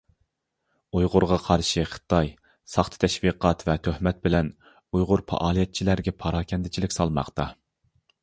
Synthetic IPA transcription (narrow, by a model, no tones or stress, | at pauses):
ujʁʊɾʁɑqʰɑɾʃiχə̥t̪ɑj | sɑχt̪ʰɨ̥t̪ʰɛʃviqʰɑt̪vɛt̪ʰøhmɛt̪̚bɪlɛn | ujʁʊɾpʰɑ̰ʔɑːlˠijɛt̪̚t͡ʃʰilæɾɡʲɛpʰɑɾɑːkʲʰɛnd̪ɪt͡ʃʰilɪkʲsɑlˠmɑ̰qt̪ɑ